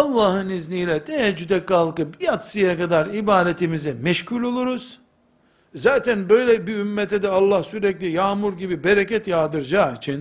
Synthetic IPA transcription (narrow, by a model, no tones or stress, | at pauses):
ɑlˠːaːɦɯniznijlʲɛt̪ʰɛɛd͡ʒyd̪ɛkːalˠkɯbijat̪sɯjakad̪aɾibaːd̪et̪ʰimizɛmɛʃcʰulʲo̞lˠuɾuz̥ | zaːt̪ʰænbø̞jlʲɛbiymːɛt̪ʰɛd̪ɛalˠːahsyɾɛclʲijaːmuɾɟibibeɾɛcɛt̪jaːd̪ɯɾd͡ʒaːit͡ʃʰin